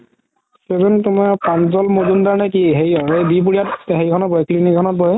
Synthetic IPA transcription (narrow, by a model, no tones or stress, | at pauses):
sezɔntʊmapanzɔlmozundaɹnakiɦejɔɹebip̬uɹijatɦejkʰɔnɔbɔɛkʰlinikʰɔnɔt̚bɔjɛ